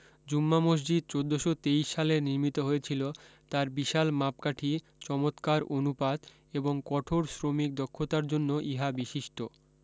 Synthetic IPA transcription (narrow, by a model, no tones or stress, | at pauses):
d͡ʑumːamoʃ̬d͡ʑid̪̚t͡ɕod̪ːoʃot̪ejʃːaleniɾmit̪oɦojet͡ɕʰilot̪aɾbiʃalmapkaʈʰi | t͡ɕɔmot̪kaɾʔonupad̪ | eboŋkɔʈʰoɾsɾomik̚d̪okʰːot̪aɾd͡ʑonːoʔiɦabiʃiʃʈo